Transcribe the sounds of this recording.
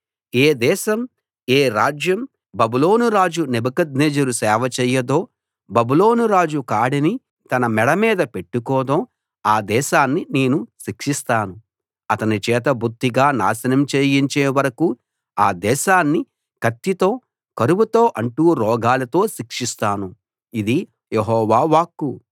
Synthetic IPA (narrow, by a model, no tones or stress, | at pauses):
eːd̪ɛːʃɐm | eːɾaːd͡ʒjɐm | bɐbuloːnuɾaːd͡ʒunebɐkɐd̪neːd͡ʒɐlusɛːʋɐt͡ʃɛjːɐd̪o̞ː | bɐbulo̞ːnuɾaːd͡ʒukaːɽini | t̪ɐnɐmɛɽɐmiːd̪ɐpe̞ʈːukɔːd̪oː | aːd̪ɛːʃaːnːineːnusikʂist̪aːnu | ɐt̪ɐnit͡ʃɛːt̪̬ɐbuɾt̪ːiɡaːna̰ːsɐnɐmt͡ʃeːjiɲt͡ʃeːʋɐɾɐku | aːd̪ɛːʃaːnːi | kɐt̪ːit̪o̞ː | kɐɾubut̪o̞ːʔɐɳʈuːɾɔːɡaːlɐt̪o̞ːsikʂist̪aːnu | id̪i | jeɦɔːʋaːʋaːkːu